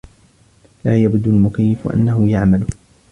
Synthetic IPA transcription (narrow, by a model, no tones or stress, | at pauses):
laːjabd̪almʊkajːɪfʔa̰nːaɦʊjaʕmalʊ